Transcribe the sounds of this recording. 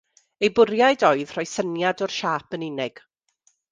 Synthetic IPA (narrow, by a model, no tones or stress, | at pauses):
ejbʊɾjaɨdɔɨð̥r̥ɔɨsənjadɔrʃaːpʰənɪnɪɡ̥